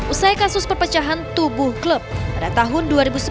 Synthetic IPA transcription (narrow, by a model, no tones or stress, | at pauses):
ʔusajkasʊspərpət͡ʃaɦant̪ubʊhklup̚padat̪aɦʊnduaɾibusə